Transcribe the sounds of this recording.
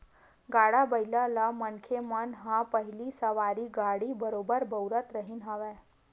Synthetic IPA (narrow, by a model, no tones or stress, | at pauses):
ɡaɽabəjlalamənkʰemənɦãpəɦilisəʋaɽiːɡaɽibəɾobəɾbəwɾət̪ɾəɦinɦaʋɛ